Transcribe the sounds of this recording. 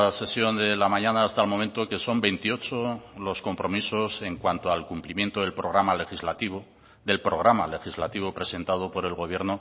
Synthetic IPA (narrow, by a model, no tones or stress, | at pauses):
se̞sjo̞nd̪e̞lamãɲãnaːst̪almo̞mẽnt̪oke̞so̞mbe̞jnt̪io̞t͡ʃolo̞sko̞mpɾo̞miso̞se̞ŋkwant̪oalkumplimje̞nt̪oðe̞lpɾo̞ɣɾamale̞xizlat̪iβo | ðe̞lpɾo̞ɣ̞ɾama̰le̞xizlat̪iβopɾe̞se̞nt̪að̞opo̞ɾe̞lɣo̞β̞je̞ɾno